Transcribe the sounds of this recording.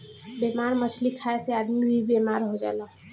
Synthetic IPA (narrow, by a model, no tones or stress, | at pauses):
bemaɾmət͡ʃʰlikʰaesead̪mibʱibemaɾɦod͡ʒa̰lɔ̃